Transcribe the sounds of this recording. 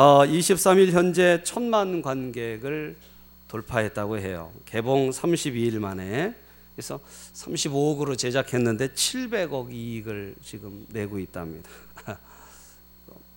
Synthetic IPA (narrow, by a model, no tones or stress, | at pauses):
ʌiɕʰip̚s͈amiɭçjʌnd͡ʑe̞t͡ɕʰʌnmanɡwanɡe̞ɡɯɭ | toɭpʰaɦe̞t̚t͈aɡoɦe̞jo̰ke̞boŋsʰamɕʰibiːɭmane̞ | esʰʌsʰamɕʰiboɡɯɾot͡ɕe̞d͡ʑakʰe̞nːɯnde̞t͡ɕʰiɭbe̞ɡʌɡiːɡɯɭt͡ɕiɡɯmne̞ɡoit̚t͈a̰mɲidḁ | ʌ